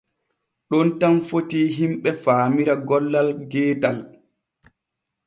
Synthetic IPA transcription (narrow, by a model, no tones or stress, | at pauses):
ɗɔntamfotiːɦimɓɛfaːmiɾaɡɔlːalɡɛːtal